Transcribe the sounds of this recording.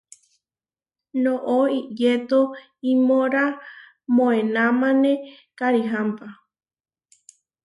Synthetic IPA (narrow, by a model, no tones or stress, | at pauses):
nõʔoijet̪o | imoɾa | mõẽnãmãnẽ | kaɾiɦampa